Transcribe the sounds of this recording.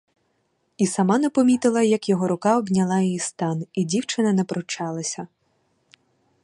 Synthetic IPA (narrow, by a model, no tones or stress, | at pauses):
isɐmɑnɐpɔmʲit̪ɪlˠɐjɐkjɔɦɔɾʊkɑɔbnʲɐlˠɑjɔjist̪ɑnidʲiwt͡ʃɪnɐnɛpɾɔt͡ʃɑlˠɐsʲɐ